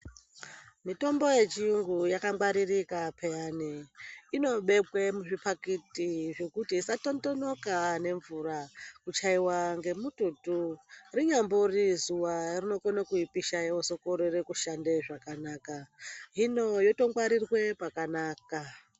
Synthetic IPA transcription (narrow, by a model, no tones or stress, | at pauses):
mito̞mbo̞je̞t͡ʃiuŋɡujakaŋɡwaɾirikapʰejaniino̞ɓe̞kwemuʐipakitiʐe̞kutiːsato̞ntonokane̞ɱvuɾakut͡ʃaiwaŋɡe̞mututuriɲamborizuwarino̞konakuipiʃaeoso̞koɾoɾekuʃande̞ʐakanaːkaɦino̞jo̞to̞ŋɡwaɾirwe̞pakanaːka